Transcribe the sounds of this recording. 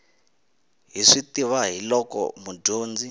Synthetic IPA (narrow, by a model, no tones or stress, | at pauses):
ɦiʂitiβaɦilɔkɔ̰muɟoːnd͡zi